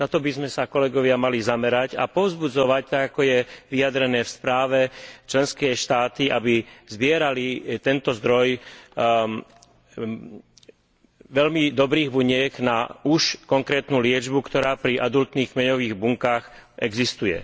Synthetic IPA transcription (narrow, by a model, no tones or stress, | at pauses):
nat̪ɔbizmɛsakɔlɛɡɔʋɪamalizamɛɾaca̰pɔʊzbud͡zɔʋac̚t̪aɡakɔjɛʋijad̪ɾɛnɛːfspɾaːʋɛt͡ʃlɛnskɛːʃt̪aːt̪iʔabizbɪɛɾalit̪ɛnt̪ɔzd̪ɾɔj | ʋɛʎmid̪ɔbɾiːɣbuɲɪɛɡnauʃkɔŋkɾɛːt̪nulɪɛd͡ʒbukt̪ɔɾaːpɾiʔad̪ult̪niːɣmɛɲɔʋiːɣbuŋkaːxʔɛɡzist̪ujɛ̰